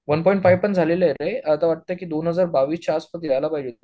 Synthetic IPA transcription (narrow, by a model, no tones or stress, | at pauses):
ʋənpɔjĩɳʈfajʋpəɳd͡zʱaleləeɾeət̪aʋaʈ̚t̪əkiːd̪onɦəd͡zaɾbaʋiːst͡ɕaaspət̪ijajlapajd͡ʑot̪